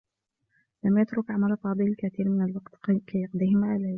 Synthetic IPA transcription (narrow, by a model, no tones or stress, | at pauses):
lamjat̪ɾʊkʕamalfɑːd̪ˤɨlkat̪iːɾmɪnalwaqt̪kajɑqd̪ˤɪhɪmaʔalaj